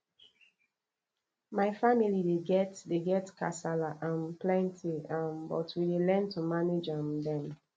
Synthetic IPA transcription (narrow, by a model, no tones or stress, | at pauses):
maɪfamilideɡɛtdeɡɛtkʰa̰salaʔãnplɛ̃ntʰiãnbɔ̰tʰwidelɛ̃ntumaned͡ʒãmdɛ̃m